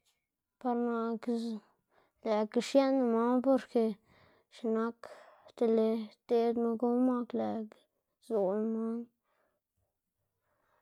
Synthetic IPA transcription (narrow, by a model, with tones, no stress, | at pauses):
pa˧ɾna˧k | le˨ki˧ʂja˦na˧ma˦ŋpo˧ɾke˧ | ʃi˨˧na˦kt̪a˧le˧t̪e˧d̪ma˧ɡo˦ma˦kle˨k | zo˨n˧ma˦ŋ